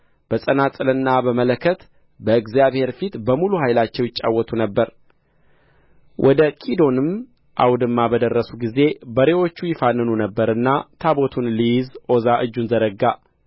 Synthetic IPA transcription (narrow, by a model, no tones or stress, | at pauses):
b̥əsʼənasʼɨlɨnːabəmələkʰːət̪ | bəɨɡzjaβhe̞ɾfit̪bəmuluhajlat͡ʃːɛwjɪt͡ʃʼa̰wːɔt̪ʰunəbːəɾ | wʔɔd̪əkʼid̪o̞nɨm | ʔa̰wd̪ɨmːabəd̪ərːəsuɡize̞bəɾewo̞t͡ʃːujɪfanːɨnunəbːəɾɨnːat̪ʰabot̪ʰunlijɪzo̞zaʔɨd͡ʒːunzəɾəɡːa